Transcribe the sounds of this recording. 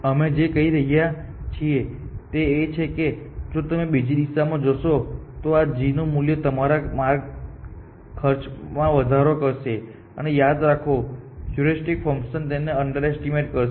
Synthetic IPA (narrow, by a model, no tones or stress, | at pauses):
əmed͡ʒekəɦiɾəɦijat͡ʃʰiet̪eːt͡ʃʰeked͡ʒot̪əmebid͡ʒid̪iʃamãd͡ʒəʃot̪oad͡ʒinomuljət̪əmaɾamaɾɡ | kʰːəɾt͡ʃmãʋəd̪ʱaɾokəɾʃe | ə̰nejad̪ɾakʰojuɾisʈikfəŋkʃənt̪eneəɳɖəɾɛsʈimeʈkəɾ